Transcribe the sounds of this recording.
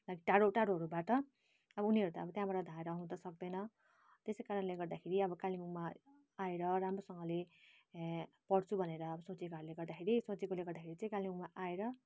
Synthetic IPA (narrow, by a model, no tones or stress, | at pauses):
laɡiʈaɾoʈaɽoɦʌɾubaʈʌ | ʌbʌuniɦʌɾut̪aʌbʌt̪jãbaʈʌd̪ʱaeɾʌɦũd̪ʌsʌk̚d̪ʌjnʌ | t̪esekaɾʌnleɡʌrd̪akʰeɾiʌbʌkalimuŋma | aeɾʌɾamɾosʌŋɡʌle | pʌɽt͡sʰubʱʌneɾʌːbʌsõt͡sikaleɡʌrd̪akʰeɾisõt͡sikoleɡʌrd̪akʰeɾit͡sʌ̃ĩkalimuŋmaʔaeɾʌ